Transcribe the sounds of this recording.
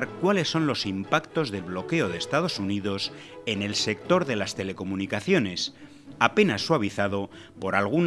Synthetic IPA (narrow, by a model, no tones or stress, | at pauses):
ɾkwale̞sːo̞nlo̞simpakt̪o̞zðe̞lβlo̞keoð̞est̪að̞o̞suniðo̞se̞ne̞lse̞kt̪o̞ɾðe̞last̪e̞le̞ko̞munikaθjo̞ne̞s | ape̞nasːwaβ̞iθað̞o̞ | po̞ɾalɣ̞un